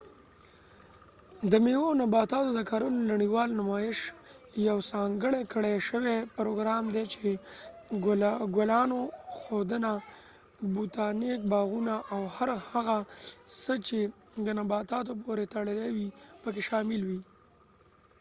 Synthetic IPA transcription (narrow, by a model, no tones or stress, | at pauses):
d̪əmeonabɑt̪ɑt̪od̪əkaɾunnaɽiwɑlnʊmɑɪʃ | jawsɑŋɡəɽekəɽeʃəwepɾoɡɾɑmd̪et͡ʃe | ɡolɑnoxod̪əna | but̪ɑnek̚bɑɣunaʔawhaɾhaɣasət͡ʃe | d̪ənabɑt̪ɑt̪op̬oɾet̪əɽəlewipək̬eʃɑmɪlwi